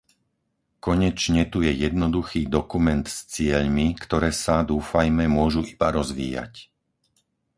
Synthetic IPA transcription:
kɔɲɛt͡ʃɲɛt̪ujɛjɛd̪nɔd̪uxiːd̪ɔkumɛnt̪st͡sɪɛʎmikt̪ɔɾɛːsad̪uːfajmɛmʊɔʒuʔibaɾɔzʋḭːja̰c

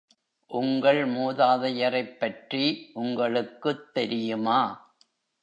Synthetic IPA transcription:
ʔʊŋɡɐɭmuːðaːðɐjɐɾɐɪpːɐʈriʔʊŋɡɐɭɯkːɯt̪ːɛɾɪjɯmaː

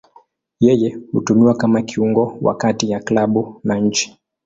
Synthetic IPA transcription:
jɛjɛhutuniwakamakiuŋɡɔwa̰katijaklaɓunaɲ̩t͡ʃi̥

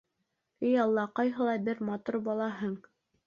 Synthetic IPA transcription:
ɘjɑlˠːɑqɑjɦɤ̆lˠɑbɘɾmɑt̪uɾbɑlˠɑɦɤɴ

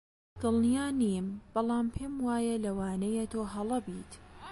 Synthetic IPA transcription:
d̪̥ɨlˠnijaːniːmb̥ɑlˠɑːmpʰeːmwaːjɐlɐwaːnɐjet̪ʰoːɦɐlˠɐbiːt̪

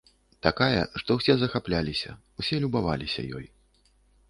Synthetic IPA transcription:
t̪akajɐ̰ʂt̪ɔwsʲɛzɐxaplʲalʲisʲɐ̰wsʲɛlʲubava̰lʲisʲɐ̰jɔ̰j

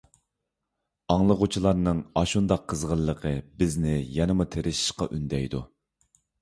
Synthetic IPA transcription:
ɑŋlˠəʁʊt͡ʃʰilˠɑɾnɨŋɑʃund̪ɑqʰːəzʁəlˠːəqʰəbɪznɪjɛnɨmut̪ʰeɾʔɪʃi̥ʃqɑ̰ʔynd̪ɛjd̪u

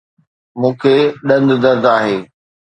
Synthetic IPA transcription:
mũːkʰeɗɐ̃nd̪d̪ɐɾd̪aːɦeː

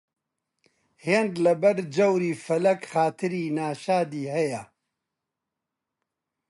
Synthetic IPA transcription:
heːnd̪lɐbɐɾd͡ʒɐwɾiːfɐlɐkxaːt̪ʰɨɾiːnaːʃaːd̪iːhɐjɐ

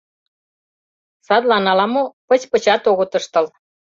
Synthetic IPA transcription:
sɑd̪lɑnɑlɑmopə̆t͡ɕpə̆t͡ɕɑt̪oɣɤ̆t̪ɤ̆ʃt̪ɤ̆l

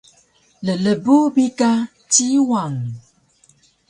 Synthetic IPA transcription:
lələbubika | tiwaŋ

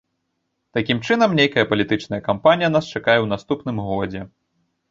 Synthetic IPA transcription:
t̪akʲimt͡ʂɨnɐmnʲejkɐjɐpɐlʲit̪ɨt͡ʂn̪ɐjɐkampanʲijɐn̪ast͡ʂakajɛwnast̪upnɨmɣɔd͡zʲɛ

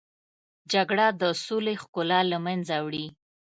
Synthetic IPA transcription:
d͡ʒaɡɽad̪əsolexkʊlɑlamanzawɽi

